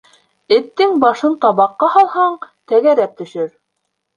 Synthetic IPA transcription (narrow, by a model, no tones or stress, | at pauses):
ɘ̆t̪ːɘŋbɑʃɤnt̪ɑβɑqːɑhɑlˠhɑɴt̪æɡæɾæp̚t̪ɵ̆ʃɘɾ